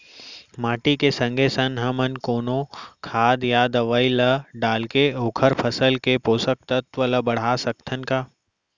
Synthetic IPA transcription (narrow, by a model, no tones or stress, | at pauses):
maːʈikesɐ̃ŋɡʱesɐnɦɐmənkoːnokʰaːd̪jaːd̪ɐʋaːilɐɖaːlkeoːkʰəɾpʰəsəlkepoːsək̚t̪ət̪ʋələbɐɽ̤aːsɐk̚t̪ʰənkaː